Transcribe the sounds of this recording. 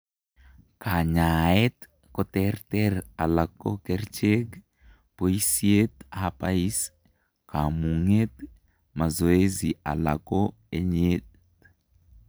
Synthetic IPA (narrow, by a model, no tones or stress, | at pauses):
kaɲaet̪ | kɔtɛrtɛɾalakːo̰kɛrt͡ʃeɡ | poisiet̪aapais | kamuŋet̪ | mazoeziʔa̰la̰ko | eɲet